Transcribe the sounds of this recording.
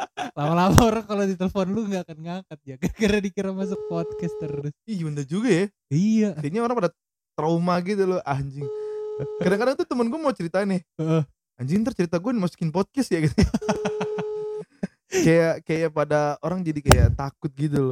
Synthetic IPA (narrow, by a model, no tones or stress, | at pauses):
lamalamaoɾaŋkalodit̪elefɔnluŋɡaːkanŋakat̪̚jaɡakiɾadikiɾamas̬ʊk̚pot̪̚kɛst̪ərʊsijundad͡ʒuɡaja | ijat̪aɲaoɾaŋpada | t̪ɾaumaɡit̪̬ulʊʔaɲd͡ʒɪŋkardanŋkadaŋt̪ut̪əmənɡuamat͡ʃəɾit̪anɪəʔə | aɲd͡ʒɪŋt̪ərt͡ʃəɾit̪aɡuanmasu̥kɪnpɔt̪̚kɛst̪jaɡit̪u | kajakajapadaoɾaŋd͡ʒadikajaʔt̪akʊt̪̚ɡit̪̬ulo